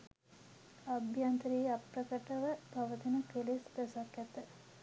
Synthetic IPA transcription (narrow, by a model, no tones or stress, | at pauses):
abʱjant̪ɾiːapɾəkəʈəʋəpaʋət̪inəkelisd̪əsakːjɛt̪ə